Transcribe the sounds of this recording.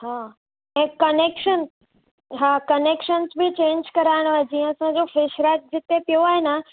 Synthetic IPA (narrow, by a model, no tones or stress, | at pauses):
haː | ɛ̃ːkɐneːkʃən | ɦaːkɐneːkʃənzbʱɪt͡ɕẽːɲd͡ʑkɐɾaːɪɽ̃oaːɦed͡ʑĩːə̃ɐsãd͡ʑofɪʃɾaːt̪̚d͡ʑɪt̪epijoaːɦenə